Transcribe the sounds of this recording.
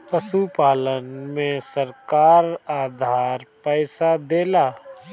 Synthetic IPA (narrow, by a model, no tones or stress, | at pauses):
pəsupaːlənmẽsəɾkaːɾaːd̪ʱaːɾpɛːsad̪eːlaː